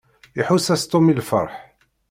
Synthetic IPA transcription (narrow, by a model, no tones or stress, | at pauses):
iħusæst̪omilfə̰ɾˤħ